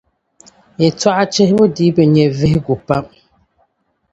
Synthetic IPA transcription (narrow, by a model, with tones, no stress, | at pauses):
jɛ˨twa˦ʔa˦t͡ʃe˦hbə˦diː˨˦bə˨ɲɛ˨ve˦hɡu˨pa˦m